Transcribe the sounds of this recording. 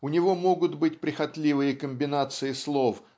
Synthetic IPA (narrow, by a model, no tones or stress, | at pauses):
ʊnʲɪvo̞mo̞ɡʊt̪bɨtʲpɾʲɪxɐt̪lʲivɨjəkəmʲbʲɪnat̪sɨjɪslˠof